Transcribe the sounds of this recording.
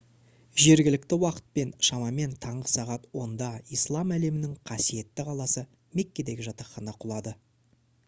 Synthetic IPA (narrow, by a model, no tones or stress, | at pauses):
ʒe̞ɾɡʲɪlɪk̚t̪ɪwɑqə̥t̪̚pe̞nʃɑmɑme̞nt̪ʰɑɴʁəsɑʁɑt̪wo̞nd̪ɑijslˠɑmæle̞mɪnɪŋqʰɑsije̞t̪ːɪqʰɑlˠɑsə | me̞kʲːe̞d̪e̞ɡʲɪʒɑt̪ɑχɑnɑqʰʊlˠɑd̪ə